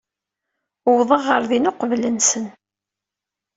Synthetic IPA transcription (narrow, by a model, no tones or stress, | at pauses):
wðˤəʁəɾðinʊqvlənsən